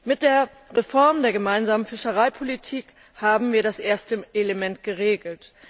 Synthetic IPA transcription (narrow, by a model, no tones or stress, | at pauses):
mɪt̚d̥eːɐ | ʁefɔɐmdeːɐɡəmaɪnzaːmənfɪʃəʁaɪpʰolitʰiːk | haːbm̩viːɐɾasʔeːɐstəʔelemɛntɡ̥əʁ̞eːɡl̩t